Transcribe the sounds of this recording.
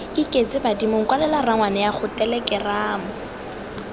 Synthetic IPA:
ikʼet͡sʼɪbadimʊŋ̩kwalɛlaraŋwanɛjaχʊtɛlɛkɪraːmʊ

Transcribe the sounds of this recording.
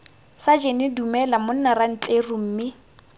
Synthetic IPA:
sad͡ʒenɪdumɛlamʊn̩naran̩t͡ɬʼerʊm̩ːmɪ

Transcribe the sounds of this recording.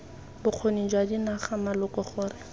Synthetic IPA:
bʊq͡χʰonid͡ʒwadinaχamalʊkɔχʊːrɪ

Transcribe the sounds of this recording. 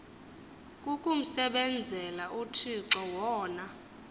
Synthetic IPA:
kʼukʼum̩sɛɓɛnd͡zʱɛlaʔutʰiǁɔwɔːna

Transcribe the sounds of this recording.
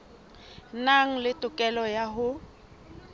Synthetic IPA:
naŋ̩lɪtʼʊkʼɛlɔjaɦʊ

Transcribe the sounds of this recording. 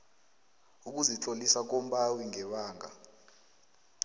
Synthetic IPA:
uk̬ʼuzit͡ɬʼolisak̬ɔmɓawiŋɛɓaːŋa̰

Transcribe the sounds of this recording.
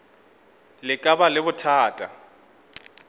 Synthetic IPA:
lɪkʼabalɪbʊtʰaːtʼa

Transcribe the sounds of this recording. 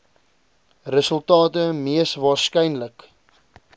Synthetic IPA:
rəsəlˠtɑːtəmiəsvɑːskɛjnlək

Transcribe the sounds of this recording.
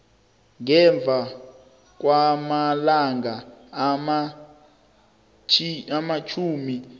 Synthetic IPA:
ŋɛɱb̪vʱa | k̬wamalaŋɡama | amat͡ʃʰuːmi

